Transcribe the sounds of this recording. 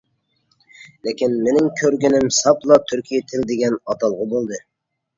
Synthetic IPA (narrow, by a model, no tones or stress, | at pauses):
lekʲinmenɪŋkʲʰøɾɡʲynɪmsɑplˠɑt̪ʰyɾkʲijɛt̪ʰɪld̪eɡʲɛnɑt̪ʰɑlˠʁɑbolˠd̪ɨ